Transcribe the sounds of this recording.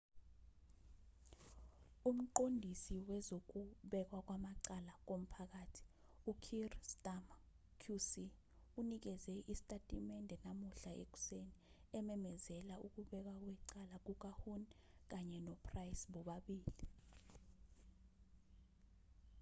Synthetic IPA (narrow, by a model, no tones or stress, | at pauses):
um̩ǃondʱisiwɛzok̬uɓɛk̬wak̬ʼwamaǀalak̬om̩pʰak̬aːtʰi̥ | ukʰirstʼam | kʰjusi | unik̬ɛzɛʔisi̥tʼatʼimɛndʱɛnamuɬaʔḛk̬u̥seniɛmɛmɛzɛlauk̬uɓɛk̬wak̬wɛǀalak̬uk̬ʼahun | k̬aɲɛnɔpʰʼrajsɓɔɓaɓiːli